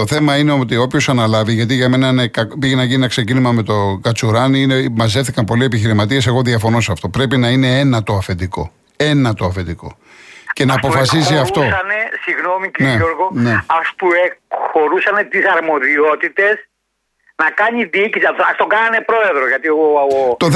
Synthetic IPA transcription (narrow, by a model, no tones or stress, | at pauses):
o̞θe̞mɐine̞ot̪io̞pço̞sɐnɐlɐviʝɐt̪̬iʝɐme̞nɐinekɐkpiʝenɐʝininɐkse̞cinimɐme̞t̪o̞ɡɐt͡suɾɐniinemɐzeθikɐmpo̞lie̞piçiɾimɐt̪ie̞se̞ɣo̞ðiɐfo̞nosɐft̪o̞pɾe̞pinɐine̞enɐt̪o̞ɐfe̞t̪iko̞̰ | e̞nɐt̪o̞ɐfet̪iko̞̰ | ce̞nɐːpo̞fɐs̬iziɐft̪o̞sɐnesiɣnomicineuɾɣoneɐst̪uexo̞ɾusɐne̞t̪isɐɾmo̞ðio̞t̪it̪e̞s | nɐkɐɲiðiicisɐtɐst̪oɡɐnɐne̞pɾo̞e̞ðɾoʝɐt̪iooot̪o